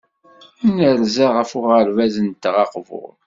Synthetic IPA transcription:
ænəɾzaʁəfʊʁəɾvæzənt̪ʁɑqvʊ̰ʁ

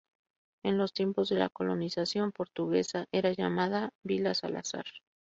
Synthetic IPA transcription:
e̞nlo̞st̪je̞mpo̞zðe̞la̰ko̞lo̞nisasjo̞mpo̞ɾt̪uɣe̞saʔe̞ɾaʝamaðabilasa̰la̰sa̰ɾ

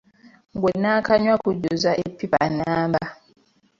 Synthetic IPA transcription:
ŋɡwenːaːkaɲwakuɟuzaʔepːiβa̰nːaːmba

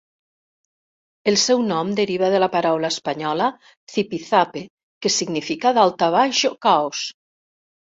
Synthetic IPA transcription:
elˠsɛwnɔmd̪eɾiβ̞aðelapaɾawlaespaɲɔla | θipiθape | kesiɡnifikaðalˠt̪aβ̞aʃokaos

